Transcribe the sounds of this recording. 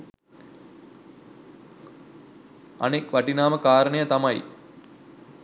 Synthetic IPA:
ɐ̰nekʋɐʈinaːməkaːɾənejət̪ɐmɐj

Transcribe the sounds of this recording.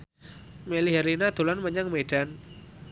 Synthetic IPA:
meliɦɛɾinad̪̥o̤lanməɲaŋmeɖ̥an

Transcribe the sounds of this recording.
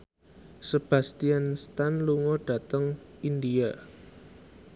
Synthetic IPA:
səb̥ä̤st̪ianst̪anluŋoɖ̥a̤t̪əŋindia

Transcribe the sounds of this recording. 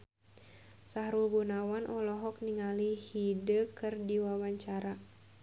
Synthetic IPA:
saɦɾulbunawanʔɔlɔɦɔk̚niŋalihidəkɨrdiwawaɲt͡ʃaɾa

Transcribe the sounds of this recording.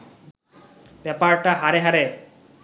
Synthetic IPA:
bɛpaɾʈaɦaɾeɦaɾe

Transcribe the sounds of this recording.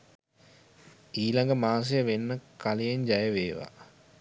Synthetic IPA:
iːlaŋɡəmaːs̬ejəʋenːəkʰalijeɲd͡ʒajəʋeːʋa̰

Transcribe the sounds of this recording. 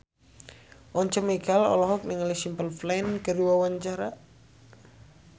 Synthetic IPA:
ʔɔɲt͡ʃɔmeɡalɔ̰lɔɦɔk̚nɪŋlisimpəlflankəɾiwawaɲt͡ʃaɾa

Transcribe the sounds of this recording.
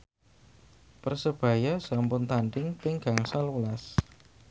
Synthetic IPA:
pərsəb̥a̤jasampʊnt̪aɳɖɪŋpɪŋɡ̥a̤ŋsalwəlas

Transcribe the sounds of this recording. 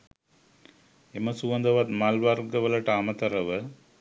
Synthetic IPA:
emɐsuʋɐnd̪ɐʋat̪maːlʋaːɾɡɐʋɐlɐʈaːmɐt̪ɐɾɐʋɐ

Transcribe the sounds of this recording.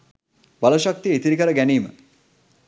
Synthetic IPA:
baloʃak̚t̪ijəit̪iɾikəɾəɡæniːmə̰

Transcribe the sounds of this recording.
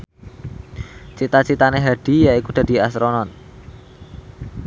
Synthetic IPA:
t͡ʃit̪at͡ʃit̪aneɦaɖ̥i̤jaikud̪̥ä̤d̪̥i̤asɾonɔn

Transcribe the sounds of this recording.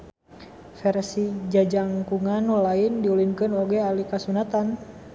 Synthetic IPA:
fɛrsid͡ʒad͡ʒaŋkuŋanulaindiulinkɨnɔɡɛalikasunat̪an

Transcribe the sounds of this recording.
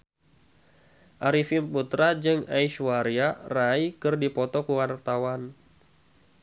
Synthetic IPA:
ʔaɾifimput̪ɾad͡ʒɨŋa̰iʃuwaɾiaraikɨrdipɔt̪ɔkuwart̪awan

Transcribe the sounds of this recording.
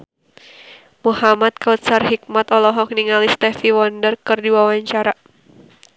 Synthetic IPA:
muhamat̪̚kaut̪̚sarhik̚mat̪ɔlɔɦɔk̚niŋalist̪ɛfiwɔndərkɨrdiwawaɲt͡ʃaɾa

